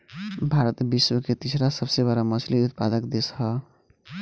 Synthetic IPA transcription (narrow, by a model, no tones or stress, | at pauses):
bʱaɾət̪biswəket̪isɾasəbsebaɾaməsʰliut̪̚pad̪əkd̪esɦə